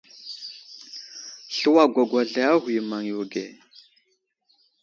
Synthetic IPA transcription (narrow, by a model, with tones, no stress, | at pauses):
ɬə˦wa˦˨ɡʷa˨ɡʷa˨ɮa˦a˦ɦu˨jma˨ŋju˨ɡe˨